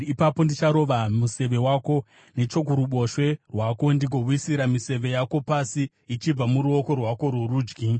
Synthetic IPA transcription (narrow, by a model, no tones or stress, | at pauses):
ipapo̞ndit͡ʃaɾo̞ʋamuse̞ʋe̞wako̞ | ne̞t͡ʃo̞kuɾuɓo̞ʃwe̞rwako̞ndikowisiɾamise̞ʋe̞jako̞pasi | it͡ʃib͡vamuɾuo̞ko̞rwako̞ɾuɾuːd͡ʒɡi